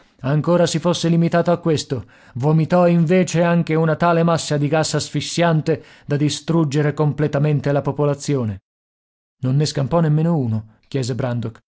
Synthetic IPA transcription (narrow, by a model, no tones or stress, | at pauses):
aŋkoːɾasifosːelimit̪aːt̪oakːwest̪o | vomit̪ɔiɱveːt͡ʃeaŋk̟eunat̪aːlemasːad̪iɡasːasfisːjant̪e | d̪ad̪ist̪ɾud͡ʒeɾekomplɛt̪ament̪elapopolat̪sːjoːne | nonːeskampɔnemːeːnouːnok̟jɛːzebɾand̪ok